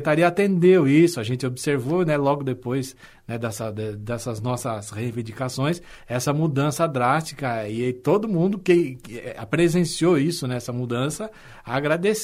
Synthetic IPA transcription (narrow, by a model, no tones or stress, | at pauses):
t̪aɾiɐat̪ẽnd̪ewisʊaʒẽnt̪ɪobɪseɾvonɛlɔɡʊd̪epojz | nɛd̪ɛsɐd̪ɛd̪ɛsɐznɔsɐshevĩnd͡ʒikasõj̃s | ɛsɐmud̪ɐ̃sɐd̪ɾast͡ʃi̥kɐɪt̪od̪ʊmũnd̪ʊkɪapɾezẽsioisʊnɛɛsɐmud̪ɐ̃sɐ | aːɡɾad̪es